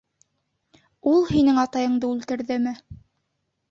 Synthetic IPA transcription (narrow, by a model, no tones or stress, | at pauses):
ulˠhinɘŋɑt̪ɑjɤ̆ɴd̪ɤʉlt̪ɘ̆ɾðɘmɘ